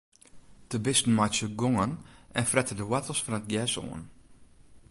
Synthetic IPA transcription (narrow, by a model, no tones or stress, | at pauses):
d̥əbɪstn̩majsəɡɔŋənɛnfrɛtədəwɛtəlˠsfɑnət̚ɡjɛso̰ən